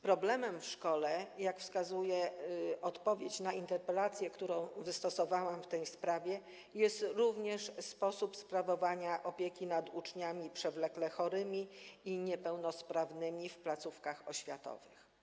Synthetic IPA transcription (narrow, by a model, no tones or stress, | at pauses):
pɾɔblɛmɛmfʂkɔlɛjakfskazujɛɔt̪pɔvʲjet͡ɕnaint̪ɛɾpɛlat̪sʲjɛkt̪uɾɔ̃w̃vɘst̪ɔsɔvawamft̪ɛjspɾavʲjɛ | jɛst̪ɾuvɲɛʂspɔsupspɾavɔvaɲaʔɔpʲjekʲinad̪ut͡ʂɲamʲipʂɛvlɛklɛxɔɾɘmʲiiɲɛpɛwnɔspɾavnɘmʲifplat̪sufkaxɔɕfʲjat̪ɔ̰vɘx